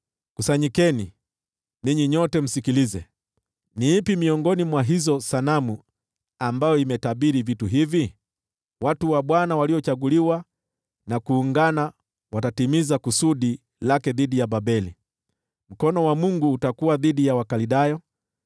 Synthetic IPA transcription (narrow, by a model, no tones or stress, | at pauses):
kusaɲikɛni | niɲiɲɔtɛm̩sikilizɛ | niipimiɔŋɡɔnimwaɦizɔsanamu | ambajɔimɛtaɓiɾivituɦivi | watuwaɓwanawaliɔt͡ʃaɡuliwa | nakuːŋɡana | watatimizakusuɗi | lakɛðiɗijabaɓɛlḭ | m̩kɔnɔwamuŋɡuːtakuwaðiɗijawakaliɗajɔ